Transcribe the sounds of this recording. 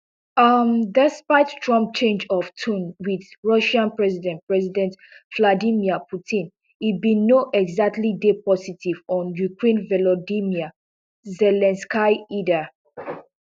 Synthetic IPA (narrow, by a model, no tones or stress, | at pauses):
amdɛspaɪttʰɹɔ̃mp̚t͡ʃẽnd͡ʒɔvtʰũnwiðɹɔʃãnpɹɛzidɛ̃npɹɛzidɛ̃ntvladimiapʰutʰĩn | ibĩnoʔɛɡzak̚tlidepɔsitʰivɔ̃njukɹẽnvɛlodimia | zɛlɛ̃nskaɪida